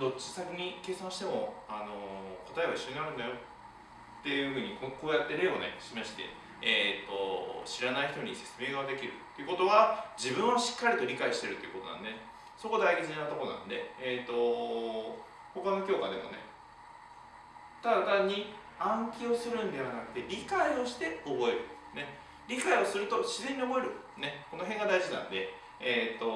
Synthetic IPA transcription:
d̪o̞t͡ɕːi̥sakʲiɲ̟ike̞ːsãɰ̃ɕi̥t̪e̞mo̞ano̞ko̞t̪aeβaiɕːo̞ɲinaɾɯ̟nd̪ajo̞ | t̪ːe̞jɯ̟ɸɯ̟ːɲ̟ikoko̞ːjat̪ːe̞ɾe̞ːo̰nḛɕimaɕi̥t̪e̞̰ | et̪ːo̞ɕiɾanaiçi̥t̪o̞ɲ̟ise̞̥t͡sɨmeːɡad̪e̞kʲiɾɯ̟t̪ːe̞iɯ̟ko̞t̪o̞βad͡ʑibɯ̟̃ɰ̃aɕi̥kːaɾʲit̪o̞ɾʲikaiɕi̥t̪e̞ɾɯ̟t̪ːeiɯ̟kot̪o̞nã̰nd̪e | so̞ko̞d̪aiɡezinat̪oko̞nã̰nod̪e̞et̪ːo̞ | ho̞kano̞kʲo̞ːkad̪e̞̰mo̞̰ne̞ | t̪ad̪at̪aɲ̟ːi | ãŋkʲio̞sɨɾɯ̟̃nd̪e̞β̞anakɯ̟̥t̪e̞ɾʲikaio̞ɕi̥t̪e̞o̞bo̞e̞ɾɯ̟ | ne̞ | ɾʲikaio̞sɨɾɯ̟t̪o̞ɕizẽ̞ɲ̟ːio̞bo̞e̞ɾɯ̟ | ne̞ko̞no̞ɦẽ̞ŋɡad̪aiʑinã̰nd̪e̞ː | t̪ːo̞

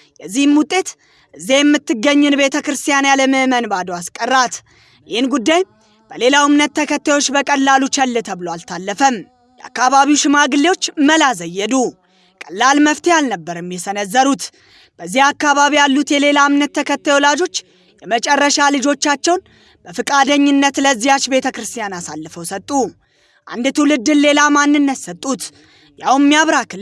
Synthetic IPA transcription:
jɛzːihɨmut̪ʼːe̞t̪ | ʔɨzːijɛmːɨt̪ːɨɡːəɲːɨnbe̞t̪ʰəkɾɨst̪ʰijanjaləməhmənbad̪owaskʼərːat̪ | jɪhɨnɡud̪ːaj | b̥əle̞lamnət̪ːəkʰət̪ʰːajwo̞t͡ʃːbəkʼəlːalut͡ʃɛlːɨt̪ʰəβɨloalt̪ʰalːəfəm | jɛʔa̰kːaβaβiwʃɪmaɡɨlːewo̞t͡ʃːməlazəjːɛd̪u | kʼəlːalməft̪ʰejalnəbːəɾɛmːjɛsənəzːəɾut̪ | b̥əzːihakːaβaβijalːut̪jɛle̞lamnət̪ʰːəkʰət̪ːajowlad͡ʒo̞t͡ʃː | jɛmət͡ʃʼɛrːəʃalɨd͡ʒo̞t͡ʃːat͡ʃːɛwn | b̥əfɨkʼad̪əɲːɪnːət̪ləɨzːijat͡ʃːbe̞t̪ʰəkɾɨst̪ʰijanasalːəfəwsət̪ʼːu | ʔa̰nd̪t̪ʰuwlɨd̪ːɨnle̞lamanːɨnːət̪sət̪ʼːut̪ | jawmːijaβɾak

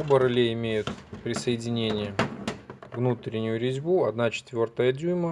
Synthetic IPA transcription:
obəɾɐlʲeɪmʲejʊt̪pɾʲɪsəjɪdʲɪnʲenʲɪjə | vnut̪ɾʲɪnʲːʊjʊɾʲɪzʲbuɐd̪nat͡ɕɪ̥t̪vʲo̞rt̪əjədʲujmə

